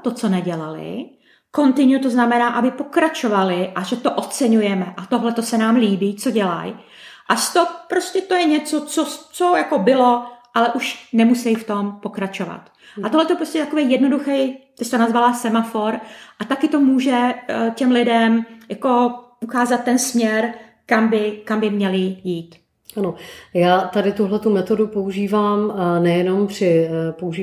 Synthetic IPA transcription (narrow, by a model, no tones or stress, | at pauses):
t̪ot͡so̞nɛɟɛlalɪ̰ | ko̞nt̪ɪɲut̪oznamɛnaːʔabɪpo̞kɾat͡ʃo̞valɪʔaʒɛt̪oʔot͡sɛɲujɛmɛʔat̪oɦlɛt̪o̞sɛnaːmliːbiːt͡so̞ɟɛla̰j | ʔaʃt̪opɾoscɛt̪o̞jɛɲɛt͡sot͡sot͡sojako̞bɪlo̞ʔalɛʔuʃnɛmusɛjft̪o̞mpo̞kɾat͡ʃo̞va̰t̪ | ʔat̪oɦlɛt̪opɾoscʲɛt̪akovɛjjɛdno̞duxɛjt̪ɛst̪onazvalaːsɛmafo̞ɾʔat̪akɪt̪o̞muːʒɛcɛmlɪdɛmjako̞ | ukaːzat̪̚ːɛnsmɲɛɾ | kambɪkambɪmɲɛlɪjiːt̪ | ʔanojaːt̪adɪt̪uɦlɛt̪umɛt̪o̞dupouʒiːvaːmnɛjɛno̞mpr̝̥ɪpouʒi